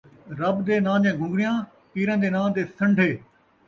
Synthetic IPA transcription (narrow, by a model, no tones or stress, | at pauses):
ɾɐbd̪eːnãːd͡ʑɛ̃ːɡʱʊ̃ŋɡɾijãː | piːɾə̃nd̪eːnãːd̪eːsɐ̃ɳɖʱeː